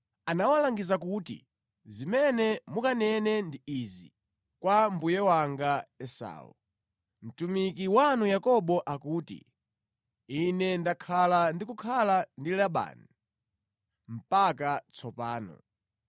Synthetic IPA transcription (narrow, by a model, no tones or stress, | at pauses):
anawalaŋɡizakuːtḭ | zimɛnɛmukanɛnɛndiizḭ | kwambujɛwaŋɡaɛsa̰ːṵ | m̩tumik̬iwanujakɔɓɔʔakuːtḭ | inɛndakʰalandikukʰalandilaɓa̰ːni | m̩pakat͡sʰɔpaːnɔ̰